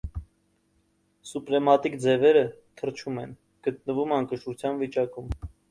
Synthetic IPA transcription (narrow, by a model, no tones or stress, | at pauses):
supɾɛmɑt̪ikd͡zɛvɛɾət̪ʰəɾt͡ʃʰumɛn | ɡ̥ət̪̚nəvumɑŋkəʃut͡sʰjɑnvit͡ʃɑkum